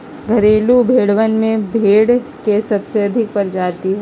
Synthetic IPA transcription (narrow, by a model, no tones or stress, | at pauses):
ɡʱɐɾeːlubʱeːɽʋənmẽbʱeːɽkesɐbseɐd̪ʱɪk̚pɐɾd͡ʒaːt̪iɦɛ